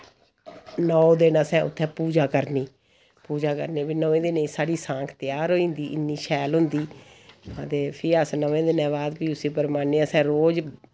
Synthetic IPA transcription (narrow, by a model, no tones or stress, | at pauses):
nɔːd̪ɪnãːsɛ̃ːʔʊ̰t̪ʰːɛ̃ːpuːd͡ʒaːkəɾniː | puːd͡ʒaːkə̰ɾneːpiːnəʋẽːd̪ɪnẽːsaːɽiːsãːkʰt̪ɪjaːɾoːĩːnd̪iːʔɪnːiːʃʰɛːlɦʊnd̪iː | ãt̪eːpʰɪɾəsnəʋẽːd̪ɪnɛ̃ːbaːd̪piːʊsĩːpəɾmaːneːasɛ̃ːɾoːd͡ʒ